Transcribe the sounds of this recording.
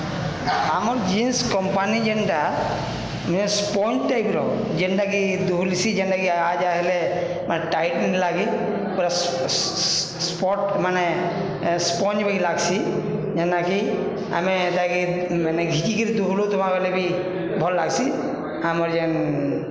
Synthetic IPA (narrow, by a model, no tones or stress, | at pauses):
amɔɾd͡ʒinskɔmpanid͡ʒɛnʈa | mespɔɲt͡ʃt̪ajbiɾɔ̰ | d͡ʒɛɳʈakid̪uɦulisid͡ʒɛɳɖakiad͡ʒaɦɛle | manɛʈajʈnlaɡi | pɔɾas | spɔʈmane | spɔɲt͡ʃbaɡilaɡsi | d͡ʒɛnaki | a̰mɛt̪aki | maneɡʱikikiɾid̪uɦulut̪umabalɛbʱi | bʱɔlːaɡsi | amɔɾd͡ʒɛn